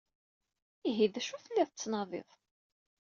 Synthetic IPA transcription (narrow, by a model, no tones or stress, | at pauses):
iɦiðæʃuθəlːiθət͡sːnɑðˤḛðˤ